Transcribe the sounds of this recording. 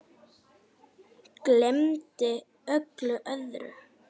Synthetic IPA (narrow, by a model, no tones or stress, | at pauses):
klɛmt̪ɪ | œklʏʔœðɾʏ̰